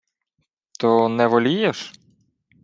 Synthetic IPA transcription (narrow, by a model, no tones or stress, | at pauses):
t̪ɔnɛʋɔlʲijɛʃ